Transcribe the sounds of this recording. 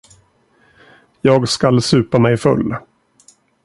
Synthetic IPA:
jɑːɡskalsʉ̟ːpamɛjfɵ̰lː

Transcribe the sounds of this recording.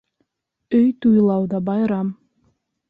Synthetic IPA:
øjt̪ujlˠɑwd̪ɑbɑjɾɑm

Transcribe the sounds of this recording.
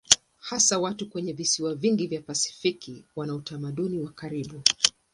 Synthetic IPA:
hasawatukwɛɲɛvisiwaviŋɡivjapasi̥fikiwanautamaɗuniwakaɾiɓu

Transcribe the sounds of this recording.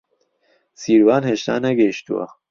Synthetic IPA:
siːɾwaːnheʃt̪a̰ːnɐɡeʃt̪ṵwa̰

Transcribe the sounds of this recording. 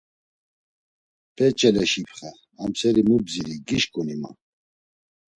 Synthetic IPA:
pʰɛt͡ʃʼɛlɛʃipʰχɛ | amsɛɾimubziɾiɡiʃkʼunima̰

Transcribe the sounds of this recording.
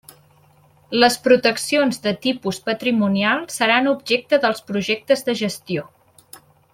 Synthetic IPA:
ləspɾut̪əksionzðət̪ipuspət̪ɾimunialˠsəɾanub̚ʒɛk̚t̪əðəlˠspɾuʒɛk̚t̪əzðəʒəst̪io

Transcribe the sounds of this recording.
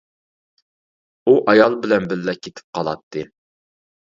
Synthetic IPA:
uʔɑjɑlˠbɪlɛnbɪlːɛkʲʰːet̪ʰɪ̥p̚qʰɑlˠɑ̰t̪ʰːɨ

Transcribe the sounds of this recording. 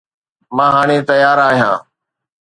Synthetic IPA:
mãːɦaːɳeːt̪əjaːɾaːɦijã̰ː

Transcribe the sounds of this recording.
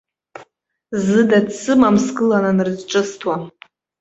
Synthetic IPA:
zɨdadsɨmamskɨlananɨrzʈ͡ʂʼɨstʰwa

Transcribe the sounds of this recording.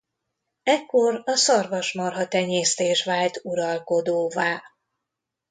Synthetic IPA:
ɛkːoɾɒsɒrvɒʃmɒrɦɒt̪ɛɲeːst̪eːʃʋaːlt̪uɾɒlko̞d̪oːvaː

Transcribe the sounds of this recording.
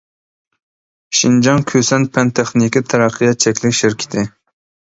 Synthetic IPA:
ʃind͡ʒɑŋkʲʰøsɛnpʰɛnt̪ʰɛχnikʲit̪ʰɛɾæqʰːɨjɑt̪̚t͡ʃʰɛkʲlɪkʲʃɪɾkʲʰi̥t̪ʰɪ

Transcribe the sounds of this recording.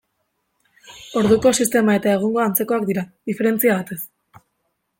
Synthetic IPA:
o̞ɾðuko̞sist̪e̞mae̞t̪ae̞ɣ̞uŋɡo̞ant͡se̞ko̞akd̪iɾaðife̞ɾe̞nt͡siaβ̞at̪e̞s

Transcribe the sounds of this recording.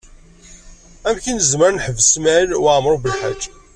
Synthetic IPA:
æmçinəzməɾnħəvsmælwaʕmɾˤobəlħa̰d͡ʒː

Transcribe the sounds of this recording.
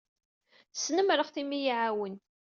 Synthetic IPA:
θə̥sːnəmɾəʁθimijiʕawənt̪

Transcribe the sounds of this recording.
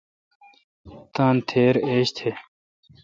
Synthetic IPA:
t̪ãːnt̪ʰeːɾeːɕt̪ʰe

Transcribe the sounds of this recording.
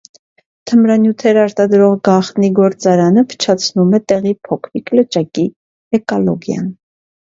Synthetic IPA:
t̪ʰəmɾɑnjut̪ʰɛɾɑɾt̪ɑd̪ɾɔʁɡɑχt̪niɡɔɾt͡sɑɾɑnəpʰə̥t͡ʃʰɑt͡sʰnumɛt̪ɛʁipʰɔkʰviklət͡ʃɑki | ɛkɔlɔ̰ɡjɑ̰n

